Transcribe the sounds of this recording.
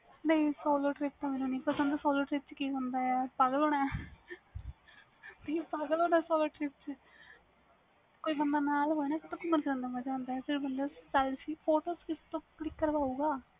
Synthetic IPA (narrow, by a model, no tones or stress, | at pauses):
nəĩsoːloːʈɾɪːp̚t̪ãmeːnũːnĩːpəsə̃nd̪asoːloːʈɾɪp̚t͡ʃkiːkãːnd̪aːɛːpəɡəloːnɛː | t̪ipəɡəloːnɛːsoːloːʈɾɪp̚t͡ʃ | koːiːbənd̪aːnaːlɦoːinãːkɪt̪õkʊməɾt͡ʃɾɛ̃ːnd̪aːməd͡ʒãːnd̪aːɛːsɪɽibənd̪aːsəlsiːpʰoːʈoːskɪst̪õːklɪkːəɾʋaːuːɡaː